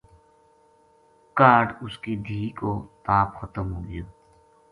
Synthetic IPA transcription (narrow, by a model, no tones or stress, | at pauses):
kaːɖʊskid̪ʱiːkoːt̪aːpxət̪əmɦoːɡɪjoː